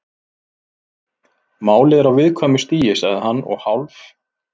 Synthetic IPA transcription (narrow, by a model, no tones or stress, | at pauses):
maːwlɪðɛɾawvɪðkʰvaːmʏst̪iːjɪsɛðhanːɔ̰ɣhawlf